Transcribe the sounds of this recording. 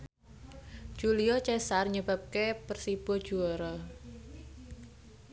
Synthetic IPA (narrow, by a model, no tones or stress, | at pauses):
d͡ʒ̥uliɔt͡ʃɛsarɲəb̥a̤p̚kepərsib̥ɔd̥ʒ̥uɔɾɔ